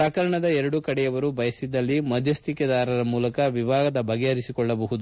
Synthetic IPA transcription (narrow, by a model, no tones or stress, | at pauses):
pakɐɾɐɳɐd̪ɐɛɾɐɽukɐɽɛjɐʋɐɾubʱɐjɐsid̪ːɐlːimɐd̪ʱjɐst̪ikjɐd̪aːɾɐɾɐmuːlɐkɐʋibʱaːɡɐd̪ɐbʱɐɡɛɐɾisikɔɭːɐbɐɦud̪u